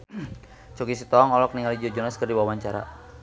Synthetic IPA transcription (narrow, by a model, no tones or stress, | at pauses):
t͡ʃɔkis̬it̪ɔːŋɔlɔk̚niŋalid͡ʒɔd͡ʒɔnaskərdiwawaɲt͡ʃaɾa̰